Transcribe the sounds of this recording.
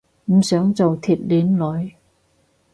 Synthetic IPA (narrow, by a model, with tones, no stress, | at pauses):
m̩˨˩sœː˨˥ŋt͡so˨wt̪ʰiː˨˩t̚liː˨˥nlɔː˨˩j